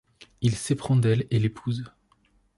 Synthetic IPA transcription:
ilsepχɑ̃d̪ɛlelepʰuz

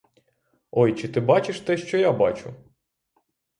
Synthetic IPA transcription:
ɔjt͡ʃɪt̪ɪbɑt͡ʃɪʃt̪ɛʃt͡ʃɔjabɑt͡ʃʊ̰

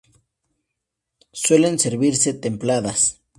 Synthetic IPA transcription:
swe̞lenseɾβiɾset̪e̞mplaðas

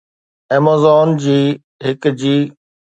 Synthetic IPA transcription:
eːmaːzɔːnd͡ʑiː | ɦɪkd͡ʑiː

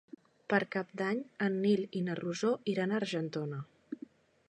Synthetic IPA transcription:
pəɾkap̚d̪aɲənːilinəruzoiɾanəɾʒənt̪onə

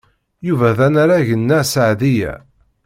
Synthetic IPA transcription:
juvæðænaɾaʝənːæsaʕðijæ̰

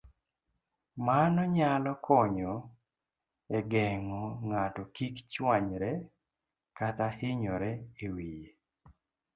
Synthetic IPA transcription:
manɔɲalɔkʰɔɲɔ | eɡɛŋɔŋatɔkikt͡ʃwaɲɾɛ | katahɪɲɔɾɛewije

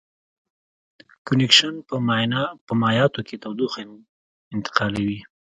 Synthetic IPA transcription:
kʊnɪkʃanpəmnpəmɑjɑt̪okʰet̪awd̪uxen | ɪnt̪ɪ̥qɑlawi

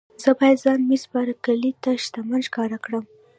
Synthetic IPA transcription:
zəbɑjad̪zɑnmisbɑɾakalit̪aʃt̪amanʃkɑɾakɽəm

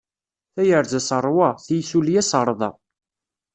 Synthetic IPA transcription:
θæjəɾzæsəɾˤwɑθjθuljæsəɾˤðˤɑ̰

